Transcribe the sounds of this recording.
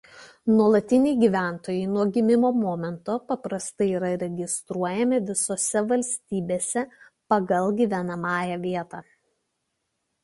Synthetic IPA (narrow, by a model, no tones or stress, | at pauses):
nuɔlˠɐt̪ʲɪnʲɛɪɡʲiːʋʲæˑnt̪oːjɛɪnuɔɡʲɪmʲɪmoːmɔːmʲɛnt̪oːpɐpɾɐst̪ɐɪiːɾɐɾʲɛɡʲɪst̪ɾuɔjɛmʲɪʋʲɪsoːsʲɛʋɐlʲsʲt̪ʲiːbʲeːsʲɛ | pɐɡɐlˠɡʲiːʋʲɛnɐmɑːjɛʋʲiɛt̪ɑː